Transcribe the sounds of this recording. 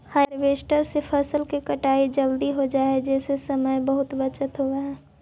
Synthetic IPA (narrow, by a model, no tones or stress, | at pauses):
həɾʋeːsʈəɾsepʰəsəlkikɐʈaːid͡ʒəld̪iɦod͡ʒaːed͡ʒɛːsesɐməjbəɦʊt̪ʋət͡ʃət̪ɦoːɡaɦɛː